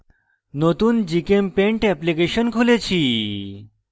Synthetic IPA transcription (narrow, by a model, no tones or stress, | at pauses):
not̪uːnd͡ʑikempẽɳʈɛplikeɕənkʰolet͡ɕʰi